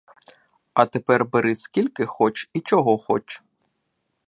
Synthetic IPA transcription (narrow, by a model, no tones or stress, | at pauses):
ɐt̪epɛrbeɾɪsʲkʲilʲkɪxɔt͡ʃit͡ʃɔɦɔxɔt͡ʃ